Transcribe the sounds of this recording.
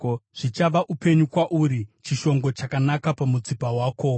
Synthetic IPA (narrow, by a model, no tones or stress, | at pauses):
ʐ̥it͡ʃaʋaʔupe̞ɲukwaʔuɾit͡ʃiʃo̞ŋɡo̞t͡ʃakanakapamut͡sipawaːko̞